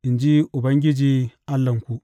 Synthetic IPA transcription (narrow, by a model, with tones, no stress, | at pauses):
i˨nd͡ʒi˦ʔu˨ba˦ŋɡʲi˦d͡ʒiː˦a˦lːɐ˨ŋku˨